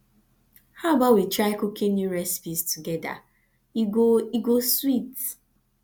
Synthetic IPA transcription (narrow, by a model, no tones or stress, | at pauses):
haʊbawitɹaɪkukʰĩnjuɹɛsi̥pistʰuɡɛda̰ | iɡoiɡoswit